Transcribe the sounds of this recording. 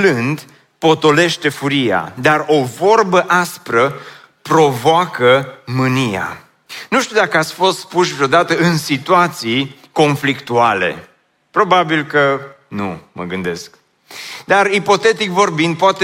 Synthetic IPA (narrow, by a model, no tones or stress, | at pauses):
lɨnd̪ | po̞t̪o̞le̞ʃt̪e̞fuɾia̰d̪aro̞vo̞rbəʔaspɾə | pɾo̞voakəmɨnia̰ | nuʃt̪iud̪akəat̪sʲfo̞st̪spuʃvɾejod̪at̪əɨnsit̪uat̪sij | ko̞nflikt̪uale̞̰ | pɾo̞babilkə | nṵmə̰ɡɨnd̪e̞sk | d̪aripo̞t̪e̞t̪ikvo̞rbind̪̚poat̪e